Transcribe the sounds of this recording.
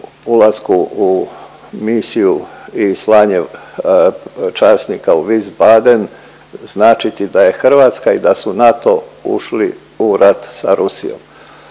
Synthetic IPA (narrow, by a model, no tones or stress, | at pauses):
ulazkuu | misijuislaːɲe | t͡ʃaːsnikauʋizbad̪e̞n | znaːt͡ʃit̪id̪aje̞xr̩ʋaːt̪skaid̪asunat̪o̞ṵʃli | uɾʔat̪saɾusijo̰m